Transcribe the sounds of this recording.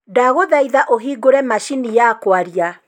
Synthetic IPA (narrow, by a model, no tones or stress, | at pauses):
daɣoðaiðaʔoɦiːɡoɾɛmaʃinijaːkwaɾia